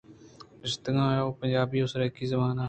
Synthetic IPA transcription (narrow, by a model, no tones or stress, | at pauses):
ɪst̪ɪŋãːjoːpəɲd͡ʒaːbiːosɾəkizɐmaːnaː